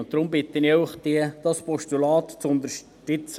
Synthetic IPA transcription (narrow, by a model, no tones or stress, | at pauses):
ʊnt̚d̥̪ɾʊmbɪt̪ːəniʊχd̥̪iəd̥̪ɑspɔʃtulɑːt̪t͡sʊnd̪əɾʃ | tɪt͡s